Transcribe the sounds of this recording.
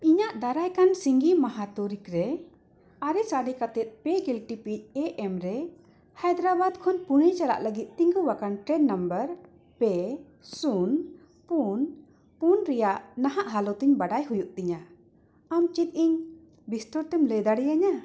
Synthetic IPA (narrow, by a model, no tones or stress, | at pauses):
iɲaʔd̪aɾajkansiŋɡimaɦat̪ɔɾikɾɛ | aɾɛsaɖɛkat̪ɛt̪̚pɛɡilʈipic̚ˀɛʔɛmɾɛ | hajd̪ɾabad̪kʰɔnpuɽɛt͡ʃala̰ʔləɡit̪̚ˀt̪iŋɡuwakanʈɾɛɖnambəɾ | pɛ | sun | pun | punɾɛjaʔnaɦaʔɦalɔt̪iɲbaɖajɦujuʔt̪iɲa | amt͡ʃit̪̚ˀiɲ | bist̪ɔɾt̪ɛmlɛd̪aɽijaɲa